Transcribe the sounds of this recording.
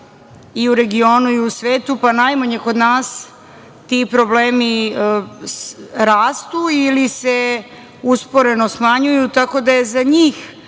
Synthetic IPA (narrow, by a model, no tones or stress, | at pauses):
iuɾe̞ɡio̞ːnuiusʋeːt̪upanajmaɲeko̞d̪naːs | t̪ipɾo̞bleːmi | ɾaːst̪uilise | uspo̞ɾe̞no̞smaɲujut̪ako̞d̪ajezaɲiːx